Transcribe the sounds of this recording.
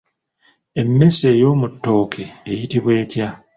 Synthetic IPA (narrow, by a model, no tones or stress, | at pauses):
e̞mːe̞se̞ːjo̞ːmutːo̞ːkʰe̞ːjitiβwe̞ːtja